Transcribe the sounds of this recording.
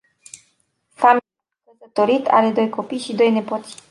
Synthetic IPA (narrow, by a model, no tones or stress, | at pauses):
famil | kəzət̪o̞ɾit̪a̰ɾe̞d̪o̞jko̞pijʃid̪o̞jne̞pot̪s